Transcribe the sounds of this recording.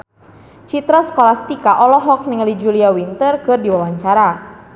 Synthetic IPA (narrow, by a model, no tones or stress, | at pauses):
t͡ʃit̪ɾasə̥kolasə̥t̪ikaʔɔlɔɦɔk̚nəŋəlid͡ʒuliawint̪ərkɨrdiwawaɲt͡ʃaɾa